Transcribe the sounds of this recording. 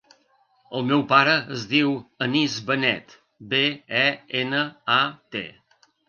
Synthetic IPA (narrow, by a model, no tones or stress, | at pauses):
əlˠmɛwpaɾəəzðiwənizβənɛ̰t̪ | beɛenəat̪ḛ